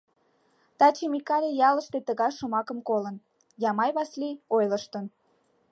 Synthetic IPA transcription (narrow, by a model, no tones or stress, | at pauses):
t̪ɑt͡ɕemikɑlʲejɑləʃt̪et̪əɣɑjʃomɑkəmkolən | jɑmɑjβɑsliojlə̆ʃt̪ən